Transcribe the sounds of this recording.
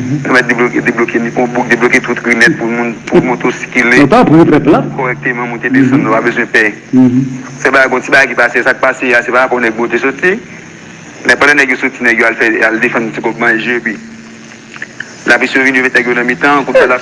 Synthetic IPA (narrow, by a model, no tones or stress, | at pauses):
pɛmɛt̚deblokedeblokeɔ̃buk̚d̪ebloket̪ut̪ɡinɛt̪̚pumũnpumũt̪osi̥kilẽtapuepɛ̃platkoɣɛk̚t̪emãmũt̪ed̪efɐ̃ndnõpabøzwɛ̃pɛ | sɛbaɡajɡõt͡sibaɡajkipasesat̪̚paseasɛpaapɔ̃nɛɡ̚bot̪esɔt͡si | mɛ̃pãdãnɛɡjosot͡sinɛɡjoalfɛaldefd̪ɔ̃tikɔpmãʒebi | lapisevinovẽt̪nɛɡjonɐ̃mit̪ãkuala